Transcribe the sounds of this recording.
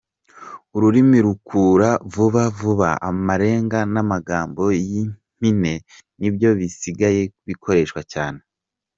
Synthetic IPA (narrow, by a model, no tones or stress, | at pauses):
uɾuɾimiɾukuːɾavuβavuβaamaɾe̞ːŋɡanamaɡaːmbo̞jim̥ine̞ | nibjo̞βisiɡaje̞βikʰo̞ɾe̞ːʃkwacaːne̞